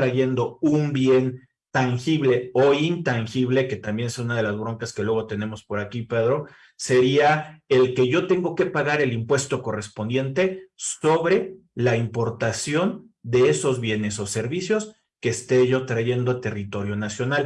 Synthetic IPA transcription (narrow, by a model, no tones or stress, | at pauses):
ɾaʝe̞nd̪o̞umbje̞n | t̪aŋxiβle̞oint̪aŋxiβle̞ke̞t̪ambje̞nseunað̞e̞lazβɾo̞ŋkaske̞lwe̞ɣo̞t̪e̞ne̞mo̞spo̞ɾakipe̞ðɾo̞ | se̞ɾiaelke̞ʝo̞t̪e̞ŋɡo̞ke̞paɣaɾe̞limpwe̞st̪o̞ko̞re̞spo̞nd̪je̞nt̪e̞so̞βɾe̞ | laimpo̞ɾt̪asjo̞n | d̪e̞eso̞zβje̞ne̞so̞se̞ɾβisjo̞s | ke̞ːst̪e̞ʝo̞t̪ɾaʝe̞nd̪ot̪e̞rit̪o̞ɾjo̞nasjo̞nal